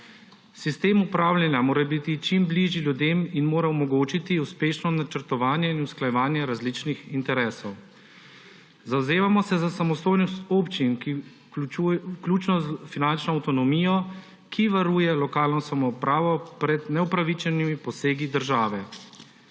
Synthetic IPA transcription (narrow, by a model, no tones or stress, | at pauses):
sist̪eːmupɾaːwlʲjɛnjamoːɾabit̪it͡ʃimbliʒilʲjud̪eːminmoːɾaɔmɔɡoːt͡ʃit̪iuspeːʃnɔnat͡ʃəɾt̪ɔʋaːnjɛinusklajɛʋaːnjɛɾazlit͡ʃnixint̪ɛɾɛːsɔw | zawzeːʋamɔsɛzasamɔst̪oːjnɔst̪opt͡ʃinki | uklʲuːt͡ʃnɔzfinant͡ʃnɔːwt̪ɔnɔmiːjɔ | kʰiʋaɾuːjɛlɔkaːlnɔsamɔupɾaːʋɔpɾɛd̪nɛupɾaʋit͡ʃɛnimipɔseːɡid̪əɾʒaːʋɛ